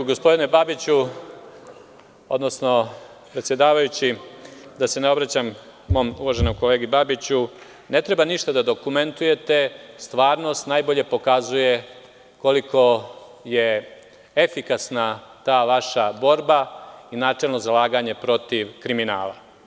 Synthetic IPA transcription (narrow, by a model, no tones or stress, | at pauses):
ɡospo̞d̪inebabit͡ɕu | od̪nosno | pɾe̞t̪sje̞d̪aːʋajut͡ɕid̪ase̞neo̞bɾat͡ɕamː | o̞ːmuʋaʒenomko̞leːɡibabit͡ɕu | ne̞t̪ɾe̞baniʃt̪ad̪ad̪o̞kume̞nt̪uje̞t̪e̞st̪ʋaːɾno̞st̪najbo̞ʎe̞po̞kazuje̞ | ko̞likʰo̞je | efikasnat̪aːʋaʃabo̞ɾbainaːt͡ʂelˠno̞zalaːɡaɲe̞pɾo̞t̪iʋkɾimina̰ːla̰